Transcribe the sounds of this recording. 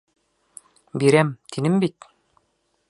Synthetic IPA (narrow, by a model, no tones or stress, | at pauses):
biɾæmt̪inɘmbit̪